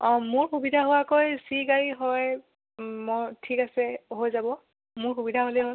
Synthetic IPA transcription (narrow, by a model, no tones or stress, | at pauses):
ɔmʊɹxubidʱaɦʊwakojsiɡaɹiɦɔj | mɔjtʰikasɛɦojzabɔ | mʊɹxubidʱaɦolɛɦo